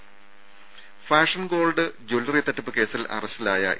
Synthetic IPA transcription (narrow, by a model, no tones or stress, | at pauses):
faːʂɐnɡo̞ːlɖɨd͡ʑolːɐrit̪ːɐʈːɐpːɨke̞ːsilɐ̰rɐstilaːjɐ̰ʔ